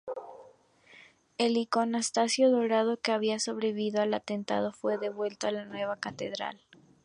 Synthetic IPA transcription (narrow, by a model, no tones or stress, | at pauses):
e̞liko̞nast̪asjo̞ðo̞ɾað̞o̞ke̞aβ̞iaso̞βɾeβiβiðoalat̪e̞nt̪a̰ðo̞fwe̞ðe̞βwe̞lt̪oalanwe̞β̞akat̪e̞ð̞ɾa̰l